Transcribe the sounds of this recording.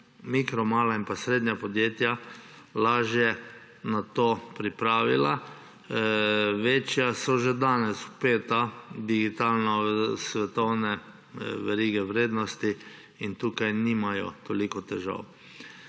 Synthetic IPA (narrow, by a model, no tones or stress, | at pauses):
mikɾɔmaːlainpasɾeːd̪ɲjapɔd̪jeːt̪ja | laːʒjɛ | nat̪oːpɾipɾaːʋila | ʋeːt͡ʃjasɔʒɛd̪aːnɛsupeːt̪ad̪iɡit̪alnɔsʋɛt̪ɔwnɛ | ʋɛɾiːɡɛwɾeːd̪nɔst̪i | int̪uːkajniːmajɔ̰t̪ɔlikɔt̪ɛʒa̰w